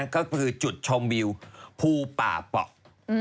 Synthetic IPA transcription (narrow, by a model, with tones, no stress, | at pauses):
nkɔː˥˩kʰɯː˧t͡ɕu˨˩t̪̚t͡ɕʰo˧mwi˧wpʰuː˧pa̰ː˨˩pɔ̰˨˩ʔ̚